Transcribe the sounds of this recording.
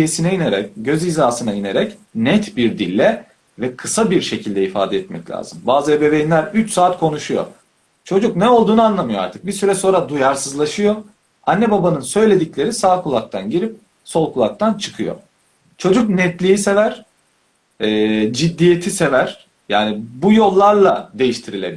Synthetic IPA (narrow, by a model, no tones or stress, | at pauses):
esinɛjineɾɛcɟøzizaːsɯnaineɾɛcnɛt̪biɾd̪ilʲːɛ | vɛkʰɯsabiɾʃe̞cʰilʲd̪ɛifa̰ːd̪ɛɛt̪mɛ̰clʲa̰ːz̥ɯmbaːzɯebe̞vejinlʲæɾyt͡ʃsaːt̪kʰo̞nuʃujo̰ | t͡ʃʰo̞d͡ʒuk̚nɛo̞lˠd̪uːnɯanlˠamɯjoa̰ɾt̪ʰɯ̥k̚biɾsyɾɛso̞ːɾad̪ujaɾsɯzlˠaʃɯjo̞ | anːɛbabanɯnsø̞jlʲe̞d̪iclʲe̞ɾisaːkʰulˠak̚t̪ʰanɟiɾip̚ | so̞lˠkʰulˠak̚t̪ʰant͡ʃʰɯ̥kʰɯjo̰ | t͡ʃʰo̞d͡ʒuk̚nɛt̪lʲijise̞væɾ̥ | ɛːd͡ʒid̪ːijet̪ʰise̞væɾ̥ | jaːnibujo̞lˠːaɾlˠad̪e̞jiʃt̪ʰiɾilʲebi